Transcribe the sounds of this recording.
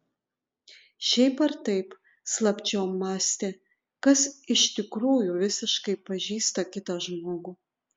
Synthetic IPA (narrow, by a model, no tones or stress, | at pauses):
ʃʲɛɪpɐɾt̪ɐɪp | slˠɐpʲt͡ʃʲɛʊmɑːsʲt̪ʲeː | kɐsɪʃt̪ʲɪkɾuːjuʋʲɪsʲɪʃkɐɪpɐʒʲiːst̪ɐkʲɪt̪ɐʒmoːɡuː